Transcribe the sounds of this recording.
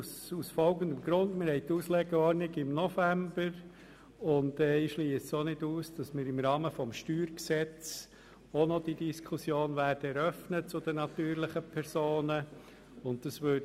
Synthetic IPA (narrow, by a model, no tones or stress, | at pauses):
susfɔlɡəndəmɡɾʊndmɪɾhɛɪt̪uːslɛɡɛɔɾnɪɡɪmnɔfæmbəɾ | ʊndɛɪʃliːssonɪduːsd̥ɑsmɪːɾɪmɾɑːməfɔmʃtyːɾksɛt͡s | ɔnɔd̥idiskʰusjoːnʋæːɾdəɛɾœfnət͡sʊd̥ənɑt̪yːɾlɪχəpʰɛɾsoːnə | ʊndd̥ɑsʋøː